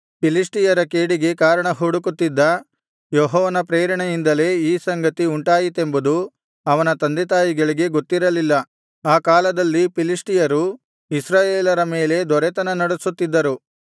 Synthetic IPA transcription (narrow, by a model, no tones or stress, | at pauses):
pilisʈijɐɾɐkeːɽiɡe̞kaːɾɐɳɐɦuːɽukut̪ːid̪ːɐ | joɦɔːʋɐnɐpɾeːɾɐɳɐjind̪ɐle̞ːiːsɐŋɡɐt̪iuɳʈaːjit̪e̞mbud̪u | ɐʋɐnɐt̪ɐnd̪et̪̬aːjiɡɐɭiɡe̞ɡot̪ːiɾɐlilːɐ | aːkaːlɐd̪ɐlːipilisʈijɐɾu | isɾaːjeːlɐɾɐme̞ːle̞d̪ɔɾɛt̪ɐnɐnɐɽusut̪ːid̪ːɐɾu